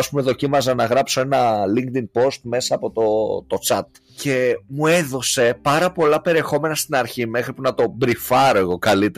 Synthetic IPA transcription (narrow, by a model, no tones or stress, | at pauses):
ɐspume̞ðo̞cimɐzɐnɐɣɾɐpso̞e̞nɐliŋkt̪iŋpo̞st̪me̞sɐːpo̞t̪ot̪o̞t͡sɐt̪̚ | ce̞mue̞ðo̞se̞pɐɾɐpo̞lɐpe̞ɾie̞xo̞me̞nɐst̪inɐɾçime̞xɾipunɐt̪o̞bɾifɐɾo̞e̞ɣo̞kɐlit̪e